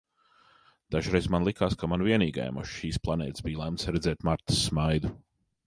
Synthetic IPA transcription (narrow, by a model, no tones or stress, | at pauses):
d̪̥aʒɾɛjzmanlˠikaːskamanviɛniːɡa̰jɛ̰mṵʃʃiːsplˠanɛ̰ːt̪sbiːjlˠɛmt̪sɾɛd̪zɛːt̪maɾt̪ə̥sːmajd̪u